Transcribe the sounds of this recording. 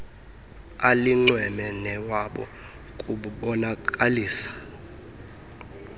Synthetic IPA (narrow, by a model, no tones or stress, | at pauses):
aliŋ͡ǀwɛmɛnɛwaɓɔ̰ | kʼuɓuɓɔnakʼaliːsḁ